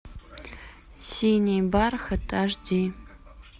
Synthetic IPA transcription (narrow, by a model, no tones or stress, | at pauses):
sinʲejbarxətʰaʐdi